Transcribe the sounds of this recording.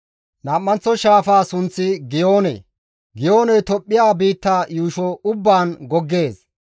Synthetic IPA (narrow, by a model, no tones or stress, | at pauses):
naːmːɐnt͡sːɔʃaːfaːsʊnt͡sːɪɡɪjo̞ːnɛ̰ | ɡɪjoːnɛjt̪ɔpʼːɪjaːbiːt̪ːaːjuːʃɔʊbːaːnɡɔɡːe̞ːs